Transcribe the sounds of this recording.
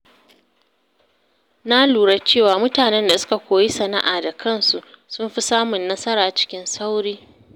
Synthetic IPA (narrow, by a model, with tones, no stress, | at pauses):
na˦luː˨ɽa˦t͡ʃeː˦˨waː˨mʊ˦taː˨nɛ˦nda˨sʊ̥˦ka˨kʷoː˨ji˦sɐ˨na̰˦ʔaː˨da˨kʰɐ˦˨nsu˨sʊ˦mɸi˦saː˦mʊ˨nːɐ˦sɐ˦ɾaː˨t͡ʃɪ̥˦kʲɪ˦nsa˦wɽiː˦